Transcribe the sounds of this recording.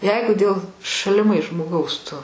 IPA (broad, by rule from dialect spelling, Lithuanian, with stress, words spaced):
ˈjɛɪɡʊ dʲeːlˠ ʃɐlʲɪˈmɐɪs ʒmoːˈɡɐʊs ˈtʊ